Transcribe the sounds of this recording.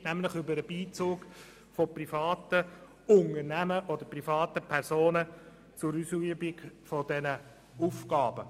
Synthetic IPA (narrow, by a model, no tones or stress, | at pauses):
næmlɪχʏbəɾəb̥iːt͡suːk | fɔprifɑːtə | ʊŋəɾnæməʔɔd̪əprifɑːt̪əpʰɛɾsoːnə | t͡sʊɾysyəbɪkfɔdɛnə | ufɡɑːb̥ə